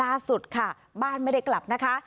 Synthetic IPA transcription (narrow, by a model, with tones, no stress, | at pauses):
aː˥˩su˨˩t̪̚kʰa˥˩ | baː˥˩nma˥˩jda˥˩jkla˨˩p̚na˦˥kʰa˦˥